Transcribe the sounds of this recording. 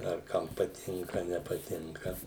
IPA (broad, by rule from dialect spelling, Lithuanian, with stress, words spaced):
ɐr ˈkɐm pɐˈtʲɪŋkɐ nʲɛpɐˈtʲɪŋkɐ